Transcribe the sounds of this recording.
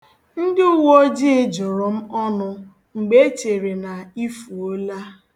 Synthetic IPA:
n̩˦dɪ˦ʊ˦wo˦d͡ʒɪ˦d͡ʒɔ˨ɾɔ˨m̩˦ɔ˦nʊ˦ | ŋ͡m̩˨ɡ͡be˦t͡ʃe˨ɾe˨na˨i˦fu˨o˦la˦

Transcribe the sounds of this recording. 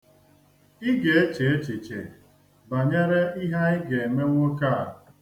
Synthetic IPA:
ɪ˦ɡe˨e˦t͡ʃe˨e˦t͡ʃe˨t͡ʃḛ˨ | ba˨ɲe˦ɾe˦i˦ɦa˦ɪ˦ɡe˨e˨me˦ŋʷo˦ka˦˨

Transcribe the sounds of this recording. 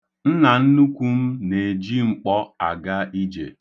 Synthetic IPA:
n̩˦na˨n̩˦nu˦kʷu˦m̩˦ne˨d͡ʒi˦ŋ͡m̩˦k͡pɔ˦a̰˨ɡa˦i˦d͡ʒḛ˨

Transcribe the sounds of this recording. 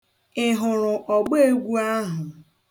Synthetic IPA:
ɪ˦ɦʊ˨ɾʊ˨ʔɔ˨ɡ͡be˦e˦ɡʷu˦a˦ɦʊ˨

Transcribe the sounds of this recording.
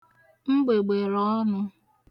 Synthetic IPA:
ŋ͡m̩˦ɡ͡be˨ɡ͡be˨ɾɔ˦nʊ˦

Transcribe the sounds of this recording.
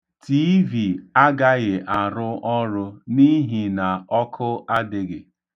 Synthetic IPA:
ti˦vi˨a˦ɡa˦ɣɪ˨ʔa˨ɾʊ˦ʔɔ˦ɾʊ˦ni˦ɦi˨na˨ʔɔ˦kʰʊ˦ʔa˦dɪ˨ɡɪ˨

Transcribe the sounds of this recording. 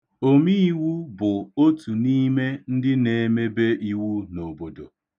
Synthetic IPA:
o˦mi˦i˦wu˦bʊ˨o˦tu˨ni˦me˦n̩˦dɪ˦ne˨˦me˦be˦ʔi˦wu˦no˨bo˨do̰˨

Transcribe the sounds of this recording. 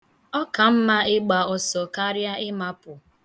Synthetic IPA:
ɔ˦ka˨m̩˦ma˦ɪ˦ɡ͡ba˨ɔ˨sɔ˨ka˦ɾja˦ɪ˦ma˦pʊ˨

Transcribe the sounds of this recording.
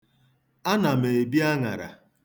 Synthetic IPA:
a˦na˨me˨e˨bi˦a˦ŋa̰˨ɾa̰˨

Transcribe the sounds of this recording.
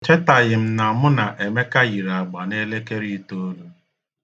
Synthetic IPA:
t͡ʃe˦ta˨ɣɪ˨m̩˦na˨mʊ˦na˨ʔe˨me˦ka˦ɣi˨ɾa˨ɡ͡ba˨ne˦le˦ke˦ɾi˦to˦lu˦

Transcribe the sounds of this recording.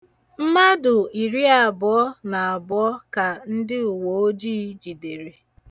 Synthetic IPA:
m̩˦ma˦dʊ˨i˨ɾi˦a˨bɔ˨ɔ˦na˨a˨bɔ˦ka˨n̩˦dɪ˦u˨wo˨o˦d͡ʒiː˦d͡ʒi˨de˨ɾe˨

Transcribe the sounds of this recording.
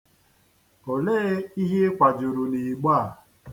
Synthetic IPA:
o˨le˦i˦ɦe˦kʷa˨d͡ʒʊ˨ɾʊ˨ni˨ɡ͡ba˦˨

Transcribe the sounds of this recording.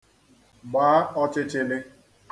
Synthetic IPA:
ɡ͡baː˨˦ɔ˦t͡ʃɪ˦t͡ʃɪ˦lɪ˦

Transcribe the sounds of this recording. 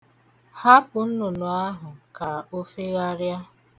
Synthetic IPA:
ha˦pʊ˨n̩˦nʊ˨nʊ˨a˦ɦʊ˨ka˨o˦fe˦ɣa˦ɾja˦

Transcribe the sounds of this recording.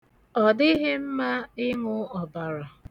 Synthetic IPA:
ɔ˨dɪ˦ɦe˦m̩˦ma˦ɪ˦ŋʊ˦ɔ˨ba˨ɾɔ˨

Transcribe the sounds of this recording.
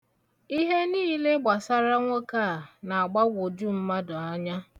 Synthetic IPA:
i˦ɦe˦niː˦le˦ɡ͡ba˨sa˦ɾa˦ŋʷo˦ka˦˨na˨a˨ɡ͡ba˦ɡʷo˨d͡ʒu˦m̩˦ma˦dʊ˨a˦ɲa˦

